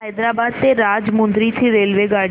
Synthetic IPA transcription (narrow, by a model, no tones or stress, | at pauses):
ɛːd̪ɾaːbaːd̪̚t̪eɾaːd͡ʒmʊ̃nd̪ɾit̪ʰiɾeːlʋeɡaːɽ